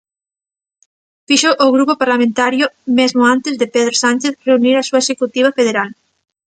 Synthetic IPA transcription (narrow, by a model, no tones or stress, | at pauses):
fiʃoʔːɣɾupopaɾlamẽnt̪aɾjomezmʊãnt̪ezðepeðɾosanʲt͡ʃeθreuniɾasuaesekut̪iβ̞afeðeɾal